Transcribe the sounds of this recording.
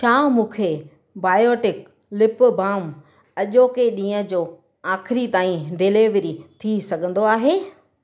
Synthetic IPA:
ʃʰaːmũːkʰe | baːjoːʈɪk | lɪpʊbaːm | ɐʄoːkeɗĩːə̃̆d͡ʑoː | aːkʰɪɾit̪aːĩɖeleʋɾit̪ʰisɐɡʱə̃nd̪oaːɦeː

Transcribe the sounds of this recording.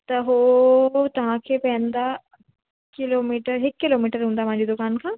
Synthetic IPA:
t̪ɐɦoːt̪ɐʋãkʰepɛ̃ːnd̪a | kɪloːmiːʈəɾɦɪkːɪloːmiːʈəɾɦũːnd̪aːm̤ãːɲd͡ʑid̪ʊkaːnkʰãː

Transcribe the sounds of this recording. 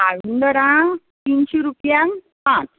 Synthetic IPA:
aʋund̪əɾã | t̪inɕiɾupjãn | pãt͡s

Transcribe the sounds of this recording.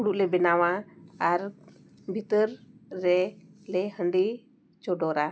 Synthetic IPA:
uɽuʔlɛbɛnawaaɾ | bʱit̪əɾːɛlɛhəɳɖi | t͡ʃɔɖɔɾa

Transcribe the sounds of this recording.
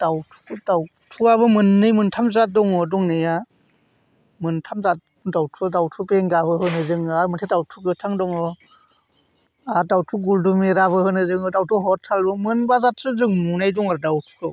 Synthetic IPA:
d̥awtʰu̥kɯdaw | tʰuaβɯmɯnːɯjmɯntʰamzat̚dɔŋɔdɔŋnɯja | mɯntʰamzat̚ | dawtʰuadawtʰubeŋɡabɯɦɯnɯzɯŋaɾmɯtʰedawtʰuɡɯtʰaŋdɔŋɔ | adawtʰuɡuldumeɾaβɯhɯnɯzɯŋɔdawtʰuɦɔtʰalbɯmɯnbazatʰɾɯzɯŋmunajdɔŋaɾdawtʰu̥kɯ

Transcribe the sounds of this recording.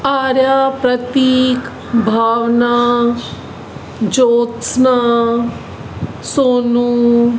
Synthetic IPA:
aːɾjaːpɾɐt̪iːk | bʱaːwnaː | d͡ʒoːt̪sna | soːnu

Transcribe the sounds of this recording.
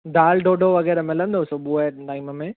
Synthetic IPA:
ɖaːlɖoːɖoʋɐɣɛːɾəmɪlə̃nd̪osoɓueʈaːiməmẽ

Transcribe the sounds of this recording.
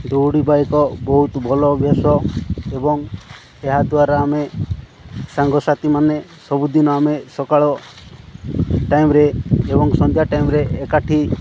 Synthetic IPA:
d̪oɽibajkɔbɔɦut̪bʱɔlɔbʱjasɔebɔŋ | eɦad̪uaɾaːme | saŋɡɔsat̪imanesɔbud̪inɔamesɔkaɭɔ | ʈajmɾeːbɔŋsɔnd̪ʱjaʈajmɾeːkaʈʰi

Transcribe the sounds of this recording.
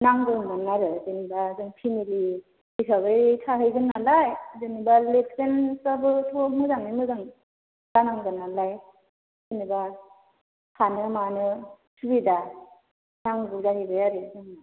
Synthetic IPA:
naŋɡumɯnːaɾɯzɯnibazɯŋpʰimili | isʰaɡɯjtʰaɦɯjɡɯnːalajzɯnibaletʰkensabɯtʰomɯzaŋimɯzaŋ | z̥anaŋɡɯnalaj | zɯniba | kʰanɯmanɯ | sʰubida | naŋɡuzaɾibɯjaɾɯzɯŋa

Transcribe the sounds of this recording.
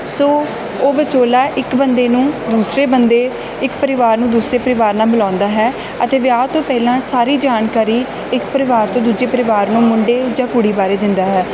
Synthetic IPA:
soː | oːʋət͡ʃoːlaːʔɪkbənd̪eːnũːd̪uːsɾeːbənd̪eː | ɪkpəɾɪʋaːɾnũːd̪uːsɾeːpəɾɪʋaːɾnaːbɪlãːnd̪aːɦɛː | ət̪eːʋɪaːt̪õːpɛːlãːsaːɾiːd͡ʒaːnkaːɾiː | ɪkpəɾɪʋaːɾt̪õːd̪uːd͡ʒeːpəɾɪʋaːɾnũːmʊɳɖeːd͡ʒãːkʊɽiːbaːɾeːd̪ɪnd̪aːɦɛː

